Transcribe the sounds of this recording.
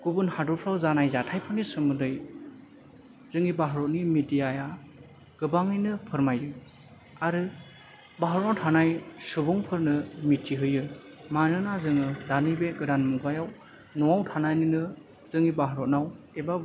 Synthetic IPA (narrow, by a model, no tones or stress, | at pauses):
ɡ̥ubunhadɔpʰɾawzanajzatʰajpʰɯɾnisɯmɯdɯj | z̥ɯŋibaɦaɾɔtnimidijaja | ɡ̥ɯbaŋɯjnɯpʰɯɾmajɯ | aɾɯ | baɦɾɔnawtʰanajsubuŋpʰɯɾnɯmitːiɦɯjɯmanɯnazɯŋɯdanibeɡɯdanmuɡajaw | nɔawtʰanajninɯ | z̥ɯŋibaɦaɾɔt̚naw | eba